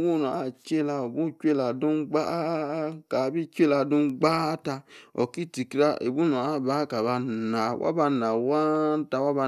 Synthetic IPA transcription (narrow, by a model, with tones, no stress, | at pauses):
wu˦˨n˨a˦˨t͡ʃe˦la˧o˨bu˦t͡ʃe˦la˨dũ˦ɡ͡ba˦ka˨bi˦t͡ʃe˦la˨dũ˦ɡ͡ba˦ta˧o˨ki˦ti˨ki˦ɾa˦ʔḛ˨bu˦nu˨a˦˨ba˨˦ka˨ba˧na˨wʔa̰˦ba˧na˨wa˦n˦ta˨wa˦ba˧